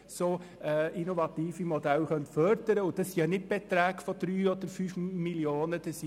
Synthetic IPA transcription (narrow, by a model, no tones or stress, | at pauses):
so | ʔinoʋɑt̪iːfimod̪ælxœnt̪fœɾd̥əɾəʊd̥̪ɑsiɑnɪt̚b̥et̪ɾæːɡ̥fɔd̥̪ɾyːɔd̪əɾfyːfmiljoːnəd̥̪ɛsi